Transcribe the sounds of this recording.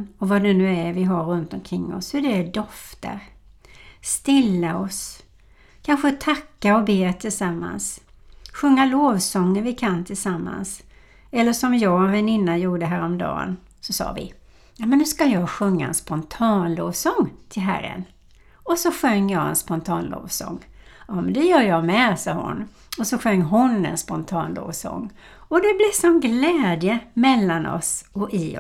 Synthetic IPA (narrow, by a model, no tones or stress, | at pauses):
nɔvad̪ɛnʉ̟ːæɾvɪɦaɾːɵnt̪ɔmkʰɾɪŋːɔ̰shɵd̪ɛdɔft̪ə̰ɾ | st̪ɪlːaɔs | kʰanɧət̪ʰakːaɔbeːt̪ʰɪlsamːa̰nsɧɵŋːaloːvsɔŋːənvɪkʰant̪ʰɪlsamːa̰ns | ɛlːəʂɔmjɑːɡɛnvɛnɪnːajuːɖəɦæːɾɔmd̪ɑ̰ːn | sɔsɑ̰ːvɪ̰ | jɑːmɛnːʉskajɑːɡɧɵŋːaɛ̰nspɔnt̪ʰɑːnloːvsɔŋːt̪ʰɪlɦæ̰ɾːə̰n | ɔsɔɧœŋːjɑːɛ̰nspɔnt̪ʰɑːnlo̰ːvsɔ̰ŋːɑmɛnd̪ɛjœːɾjɑmɛsɑːhʊ̰nː | ɔsɔɧœŋːɦʊnɛ̰nspɔnt̪ʰɑːnlo̰ːvsɔ̰ŋː | ɔd̪ɛblɪsɔmɡlɛːd̪jəmɛlːanɔ̰sɔʔɪ